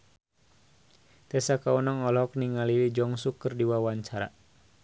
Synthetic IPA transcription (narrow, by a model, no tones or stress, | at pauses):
t̪ɛsakaunɔŋɔlɔk̚niŋalilid͡ʒɔŋsukːɨrdiwawaɲt͡ʃaɾa̰